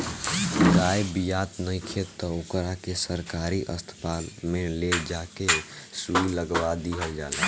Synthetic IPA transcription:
ɡajbijat̪nəjkʰet̪ːɔokɾakesəɾkaɾiʔəst̪ʰə̥palmeled͡ʒakesuiləɡʋad̪iɦəld͡ʒa̰ːlɛ

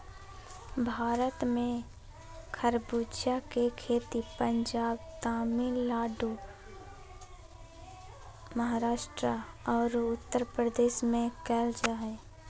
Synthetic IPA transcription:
bʱaːɾət̪mẽ | kʰəɾbuːdʃakekʰeːt̪ipə̃ɲd͡ʒaːbt̪aːmilaːɖu | məɦaːɾaːʃʈɾaɔːɾʊt̪ːəɾpɾəd̪eːʃmẽkɛːld͡ʒaɦɛː

